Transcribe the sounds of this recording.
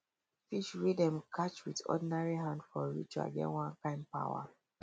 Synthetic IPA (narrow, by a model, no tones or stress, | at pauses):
fiʃɹidɛ̃mkʰat͡ʃwitɔ̰dinaɹiɦãndfɔɹḭt͡ʃa̰ɡɛ̰wãnkãɪ̃mpa̰wa̰